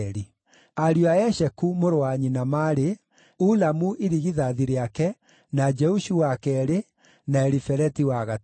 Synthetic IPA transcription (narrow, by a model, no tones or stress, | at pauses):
ɾi | aɾioaɛʃɛkumoɾoaɲinamaːɾe | ulamuʔeɾiɣiðaðiɾeakɛ | nad͡ʒɛuʃuwakɛɾe | naɛɾifɛɾɛtiwaɣa